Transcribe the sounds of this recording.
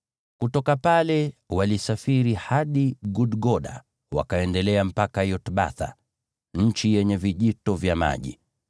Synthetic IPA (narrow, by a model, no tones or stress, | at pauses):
kutɔkapalɛwalisafiɾihaɗiɡuɗɡɔɗa̰ | wa̰kaɛndɛlɛam̩pakajɔtɓa̰θa̰ | ɲ̩t͡ʃijɛɲɛviʄitɔvjama̰ʄḭ